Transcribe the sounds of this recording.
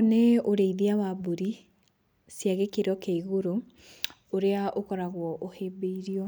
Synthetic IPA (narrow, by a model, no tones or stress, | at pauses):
neoɾeiðiawaboɾi | sjaɣekeɾɔkeiɣoɾo | oɾeaʔokɔɾaɣwɔʔohebeiɾiɔ